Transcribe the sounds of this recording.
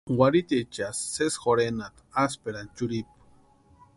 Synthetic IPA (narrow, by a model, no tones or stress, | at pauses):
waɾit̪it͡ʃasːesxoɾenat̪aspeɾant͡ʃuɾip̚